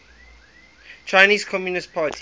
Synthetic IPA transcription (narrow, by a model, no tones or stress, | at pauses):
t͡ʃʰaɪniːz̥kʰɔmjunɪst̚pʰaːtʰi